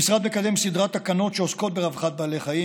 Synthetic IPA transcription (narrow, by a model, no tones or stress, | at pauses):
isʁad̪mekad̪e̞msid̪ʁat̪hakano̞tʃeosko̞t̪̚beʁavχat̪̚bale̞χaji